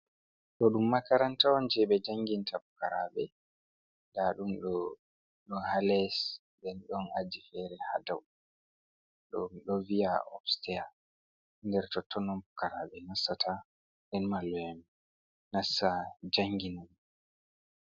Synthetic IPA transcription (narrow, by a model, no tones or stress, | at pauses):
ɗɔɗumːakaɾantawɔnd͡ʒɛɓɛd͡ʒaŋɡintapukaɾaɓɛ | daɗumɗɔ | ɗɔhalɛs | dɛnɗɔnad͡ʒifɛɾɛha̰daw | ɗɔmɗɔvijaʔɔ̰fstɛja | ndɛɾtɔtːɔnɔmbukaɾaɓɛnasːatʰa | ɗɛnmalːɔɛm | nasːad͡ʒaŋɡinaɗ